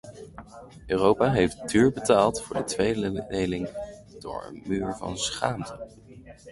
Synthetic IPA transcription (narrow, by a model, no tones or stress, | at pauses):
øːrowpaɦejftdyːɹbətaːlˠtfʊːɹdətʋejdədejlɪŋ | d̥ʊ̰ːɹə̰nmyːɹvɑ̰nsχaːmtə